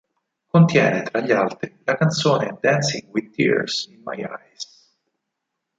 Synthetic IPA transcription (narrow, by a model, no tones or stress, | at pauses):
kont̪jɛːnet̪ɾaʎːalt̪ɾilakant̪soːned̪ansiŋwid̪t̪ːḭɾsinma̰ja̰js